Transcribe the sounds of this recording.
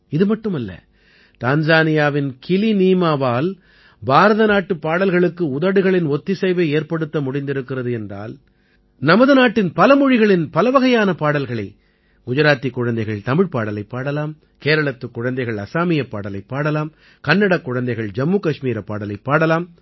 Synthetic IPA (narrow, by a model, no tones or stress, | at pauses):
ɪðɯmɐʈːɯmɐlːɐ̰ | t̪aːɲd͡ʒaːnɪjaːʋɪnkɪliniːmaːʋaːl | baːɾɐðɐnaːʈːɯpːaːɽɐlɣɐɭɯkːɯʊðɐɽɯɣɐɭɪnɔt̪ːɪsɐɪʋɐeːrpɐɽɯt̪ːɐmʊɽɪnd̪ɪɾɯkːɪrɐðɯɛndra̰ːl | nɐmɐðɯnaːʈːɪnpɐlɐmɔɻɪɣɐɭɪnpɐlɐʋɐɣɐjaːnɐpaːɽɐlɣɐɭɐɪ | ɡʊd͡ʒɐɾaːt̪ːikːʊɻɐnd̪ɐɪɣɐɭt̪ɐmɪɻpaːɽɐlɐɪpːaːɽɐlaːm | keːɾɐɭɐt̪ːɯkːʊɻɐnd̪ɐɪɣɐɭɐsaːmɪjɐpːaːɽɐlɐɪpːaːɽɐlaːm | kɐnːɐɽɐkːʊɻɐnd̪ɐɪɣɐɭd͡ʒɐmːuːkɐʂmiːɾɐpːaːɽɐlɐɪpːaːɽɐlaːm